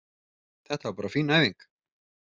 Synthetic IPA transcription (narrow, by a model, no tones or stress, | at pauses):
θɛht̪apaːɾafiːnajviŋk